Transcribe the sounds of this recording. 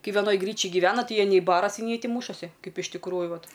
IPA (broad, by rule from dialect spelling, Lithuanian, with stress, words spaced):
ˈkɐɪ ʋʲɛˈnoːj ˈɡrʲiːt͡ʃʲɪj ɡʲɪˈʋʲæːnɐ ˈtɐɪ ˈjiɛ nʲɛɪ ˈbɑːrɐsʲɪ nʲɛɪ ˈtʲiː ˈmuːʃɐsʲɪ ˈkɐɪp ɪʃ tʲɪkˈruːjʊ ˈʋɐt